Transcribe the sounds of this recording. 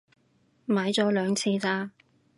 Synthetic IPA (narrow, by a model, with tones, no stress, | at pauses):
maː˨˥jt͡sɔː˨˥lœː˨˧ŋt͡sʰiː˧t͡saː˧